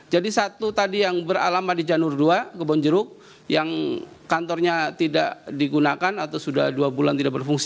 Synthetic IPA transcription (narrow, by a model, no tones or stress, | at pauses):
d͡ʒadisat̪ut̪adijaŋbəɾa̰lamadid͡ʒanʊrduakəbɔnd͡ʒəɾʊk̚ | jaŋ | kant̪ɔrɲat̪ida̰ʔdiɡunakanat̪awsudahduabulant̪idaʔ̚bərfuŋsi